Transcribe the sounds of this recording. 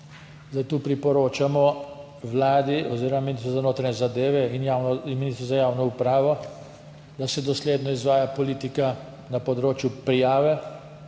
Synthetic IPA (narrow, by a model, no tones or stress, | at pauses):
zd̪ajt̪uːpɾipɔɾoːt͡ʃamɔ | ʋlaːd̪iɔziːɾɔmaminist̪ɾɔzanoːt̪ɾanʲɛzad̪eːʋɛinjaminist̪ɾuzajaːwnɔupɾaːʋɔ | d̪asɛd̪ɔsleːd̪nɔizʋaːjapɔliːt̪ika | napɔd̪ɾoːt͡ʃjupɾijaːʋɛ